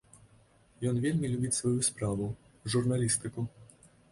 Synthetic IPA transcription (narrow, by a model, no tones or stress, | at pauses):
jɔnvʲelʲmʲilʲubʲit͡sʲsvɔjuspɾavʊ | ʐurnalʲist̪ɨku